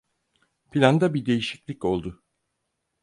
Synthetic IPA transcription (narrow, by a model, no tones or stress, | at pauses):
pʰilʲand̪abid̪e̞jiʃiclʲico̞lˠd̪ʊ